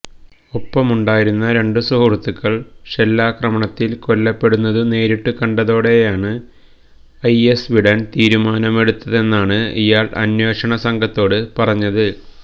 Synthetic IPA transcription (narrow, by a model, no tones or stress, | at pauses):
opːɐmuɳɖaːjiɾunːɐɾe̞ɳɖɨsuurt̪ːukːɐɭɕelːaːkrɐmɐɳɐt̪ːilko̞lːɐpːe̞ɽunːɐðɨne̞ːɾiʈːukɐɳɖɐðo̞ːɽe̞jaːɳɨ | ɐjesʋiɽɐnt̪iːɾumaːnɐme̞ɽut̪ːɐðe̞nːaːɳɨijaːɭɐ̰nje̞ːʂɐɳɐsɐŋɡʱɐt̪ːo̞ːɽɨpɐrɐɲːɐðɨ